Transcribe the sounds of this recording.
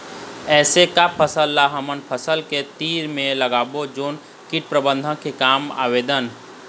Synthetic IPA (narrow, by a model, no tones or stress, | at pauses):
ɛːsekapʰəsəlːaɦəmənpʰəsəlket̪iːɾmẽləɡaːbod͡ʒoːn | kiʈ̚pɾəbə̃nd̪ʱə̃kekaːma̰ːʋeːd̪ən